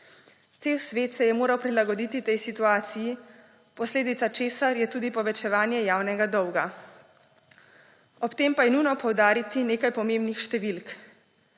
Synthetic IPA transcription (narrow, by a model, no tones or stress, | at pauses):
t̪seːwsʋeːt̪sɛjɛmoːɾawpɾilaɡɔd̪it̪it̪ɛjsit̪uaːt̪siji | pɔsleːd̪it̪sat͡ʃeːsaɾjɛt̪uːd̪ipɔʋɛt͡ʃɛʋaːnjɛjaːwnɛɡad̪ɔwɡa | ɔpt̪eːmpajɛnujnɔpɔwd̪aːɾit̪ineːkajpɔmeːmbnixʃt̪ɛʋilk